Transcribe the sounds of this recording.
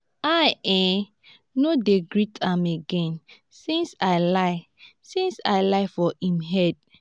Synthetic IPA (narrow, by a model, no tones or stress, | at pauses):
aɪɛ̃ | nodeɡɹitʰãmeɡɛ̃n | sĩnsaɪlaɪ | sĩnsaɪlaɪfɔĩmɦɛd̚